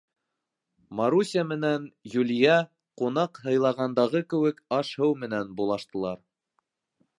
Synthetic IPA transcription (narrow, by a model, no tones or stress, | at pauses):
maɾusʲiamɘ̆nænjulʲjæ | qunɑqhɤ̆jlˠɑʁɑnd̪ɑʁɤkɘ̆wɘkɑʃhɘwmɘ̆nænbulˠɑʃt̪ɤ̆lˠɑɾ